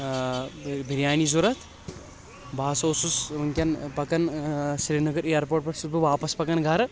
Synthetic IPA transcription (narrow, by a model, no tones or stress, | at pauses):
bʱiɾjaːnizuɾɐt̪ʰ | bʱaːsoːsusɐŋkʲɐnpɐkɐnsɾiːnɐɡɐɾejɐɾpoːʈ̚pɐʈsut̪̚bɨʋaːpɐspɐkɐnɡʱɐɾ